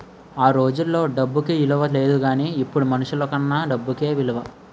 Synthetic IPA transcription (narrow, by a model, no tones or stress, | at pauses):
aːɾo̞ːd͡ʒulːo̞ːɖɐbːukiʋilɐʋɐle̞ːd̪uɡaːniːpːuɽumɐnuʂuloːkɐnːaːɖɐbːuke̞ːʋilɐʋɐ